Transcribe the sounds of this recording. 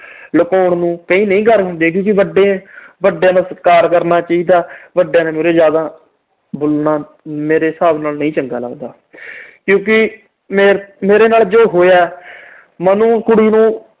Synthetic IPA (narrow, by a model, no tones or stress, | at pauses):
ləkoːɳnũːkəĩːnəĩːkəɾɦʊ̃nd̪eːk̬jõːkɪʋəɖeʋəɖjãːnãːskaːɾkəɾnaːt͡ʃaːiːd̪aːʋəɖjãːnẽːmeːɾeːzjaːd̪aː | bʊlnaː | meːɾeːsaːbnaːlnəĩːt͡ʃəŋɡa̰ːlə̰ɡd̪aː | kjõːk̬ɪ | meːɾmeːɾeːnaːld͡ʒoːɦoːjaː | mənũːkʊɽiːnũː